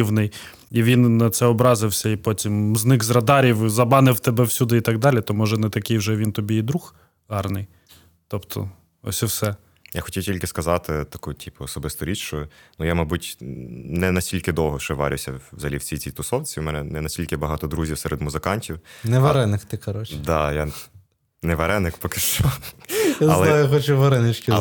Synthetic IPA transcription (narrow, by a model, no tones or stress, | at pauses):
iwnɪj | iʋʲinːɐt̪sɛɔbɾɑzɪwsʲɐipɔtʲimznɪɡzɾɐd̪ɑɾʲiwzɐbɑnɪwt̪ɛbɛwsʲud̪ɪit̪ɑɡd̪ɑlʲit̪ɔmɔʒɛnɛt̪ɐkɪjwʒɛʋʲint̪ɔbʲiid̪ɾux | ɦɑrnɪj | t̪ɔpt̪ʰɔ̰ | ɔ̰sʲiwsɛ | ja̰xɔtʲiwtʲilʲkɪskɐzɑt̪ɪt̪ɐkutʲipʊɔsɔbɪst̪ɔɾʲit͡ʃʃt͡ʃɔnujamɐbutʲnɛnɐsʲtʲilʲkɪd̪ɔwɦɔʃt͡ʃɔʋɑ̰ɾʲʊ̰wsʲɐʋzɐlʲiwt͡sʲijt͡sʲijt̪ʊsɔwt͡sʲiwmɛnɛnɛnɐsʲtʲilʲkɪbɐɦɑt̪ɔd̪ɾuzʲiwsɛɾɛd̪mʊzɪkɑnʲtʲiwnɛʋɐɾɛnɪxt̪ɪkɐɾɔt͡ʃd̪ɑja | nɛʋɐɾɛnɪkpɔkɪʃt͡ʃɔjazɐlˠɛajxɔt͡ʃʊʋɐɾɛnɪt͡ʃkʲɪ